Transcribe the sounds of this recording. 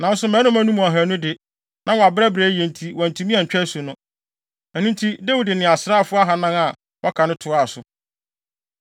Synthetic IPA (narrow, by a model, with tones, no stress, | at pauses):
nã˨n˦sʊ˦mɛ̃˦nʊ̃˦mæ̃˦nũ˦m̃˨a˨ɦæ˨nʊ̃˦dɪ˨ | nã˦wɔ˨a˨bɾɛ˦bɾeː˨˦jɛ̃˨n˨tʰi˨wã˨n˨tʰũ˨˦mĩ˦ã˨ɲ̩˨t͡ɕᶣɛ˦sʊ˨nʊ̃˦ | æ˨nũ˦ntʰi˦dæ˦wu˨dɪ˨nɪ̃˨a˨sɪ˦ɾa˦˨fʊ˦a˦ɦa˨nã˦ŋa˨ | wʔɔ˦kʰa˨nʊ̃˦tʰʊ˨˦a˨sʊ˨